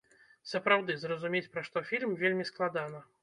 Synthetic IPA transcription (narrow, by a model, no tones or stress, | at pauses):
sɐpɾawd̪ɨzrɐzumʲet͡sʲpɾaʂt̪ɔfʲilʲmvʲelʲmʲisklˠad̪anɐ